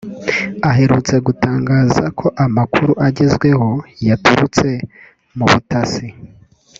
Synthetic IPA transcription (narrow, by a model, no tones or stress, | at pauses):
aɦe̞ɾut͡se̞ɡutaːŋɡaːzakʰo̞ʔamakʰuɾuʔaɟezɡwe̞ɦo̞jatuɾut͡se̞ | muβutasi